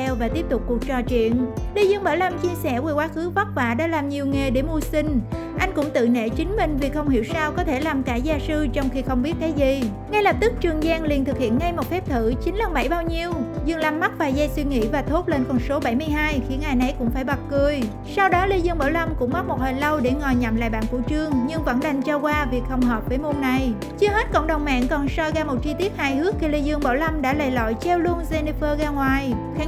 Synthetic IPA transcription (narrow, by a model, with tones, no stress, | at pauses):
ɛ˧wvaː˨˩t̪i˦˥əp̚t̪ʊ˨˩k͡p̚ːu˨˩ək̚t͡ɕɔ˨˩t͡ɕwḭ˧˨ənli˧zɨ˧ŋɓəː˧˩la˧mt͡ɕi˧əsɛ˧˩we˧˩kwaː˨˦xɨ˨˦və˦˥t̚va̰ː˧˨ɗa̰ː˧˥laː˨˩mɲi˨˩əwŋe˨˩ɗe˧˩mu˧əsï˧ŋ̟ | ʔa˧jŋ̟kʊ̰˧˥ŋ͡mt̪ɨ̰˧˨nḛ˧˨t͡ɕï˨˦ŋ̟mï˧ŋ̟vi˨˩xə˧wŋ͡mhḭ˧˨əwsaː˧wkɔ˨˦t̪ʰe˧˩laː˨˩mkaː˧˩zaː˧sɨ˧t͡ɕɔ˧wŋ͡mxi˧xə˧wŋ͡mɓi˦˥ət̚kaː˨˦jzi˨˩ | ŋa˧jlə˨˩p̚t̪ɨ˦˥k̚t͡ɕɨ˨˩əŋzaː˧ŋli˨˩ənt̪ʰɨ˨˩k̚hḭ˧˨ənŋa˧jmo˨˩t̚fɛ˦˥p̚t̪ʰɨ˧˩t͡ɕï˨˦ŋla˧˩ŋɓa˧˩jɓaː˧wɲi˧əwzɨ˧˩ŋlaː˧˩mːa˦˥t̚vaː˨˩zɛ˧jswi˧ŋḭ˧˥vaː˨˩t̪ʰo˦˥t̚le˧nkɔ˧˩nso˨˦ɓa˧˩jmɨ˧əjɦaː˧jxi˨˦ənʔaː˨˩jna˨˩jkʊ̰˧˥ŋ͡mfaː˧˩jɓa˨˩t̚kɨ˨˧˩əj | sa˧wɗɔ˨˦li˧zɨ˧ŋɓaː˧˩wlə˧wmkʊ̰˧˥ŋ͡mɓa˦˥t̚mo˨˩t̚həː˨˩jlə˧wɗe˧˩ŋɔ˨˩jɲa̰˧˩mla̰ː˧˨jɓa̰ː˧˨nkṵ˧˩t͡ɕɨ˧əŋɲɨ˧ŋvə̰˧˥nɗa˨˩jŋ̟t͡ɕɔ˧kwaː˧vi˨˩ək̚hə˧˩wŋ͡mɦəː˨˩p̚vəː˨˦jmu˧nna˨˩j | t͡ɕɨ˧əhe˦˥t̚kɔ̰˧˨wŋ͡mɗə˨˩wŋ͡mma̰ː˧˨nkɔ˨˩nsɔ˧jɣaː˧mo˨˩t̚t͡ɕi˧t̪i˦˥ət̚haː˧jhɨ˨˦˥ək̚xʰi˧li˧jzɨ˧əŋɓa̰ː˧˩wlə˧wmɗa̰ː˧˥laː˧˨˩jlɔ̰˧˨jt͡ɕɛ˧wlu˧ənze˧ni˧fəː˧ɣaː˧ŋwaː˨˩jxa˨˦